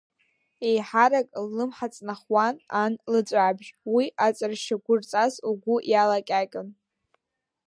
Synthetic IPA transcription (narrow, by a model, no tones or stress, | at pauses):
ejħaɾakʼlːɨmħat͡sʼnaχwananlɨt͡ʃʷʼabʒwiʔat͡sʼarʃaɡʷʊrt͡sʼazlɡʷʊʔjalakʲʼakʲʼɨn